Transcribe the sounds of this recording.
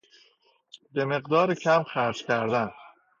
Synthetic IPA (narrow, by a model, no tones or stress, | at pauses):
be̞me̞ɢd̪ɒːɾecʰæmxæɾd͡ʒcʲʰæɾd̪æn